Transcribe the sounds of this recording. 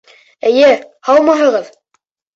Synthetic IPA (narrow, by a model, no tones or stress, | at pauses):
ɘ̆jɘhɑlˠmɑɦɤ̆ʁɤð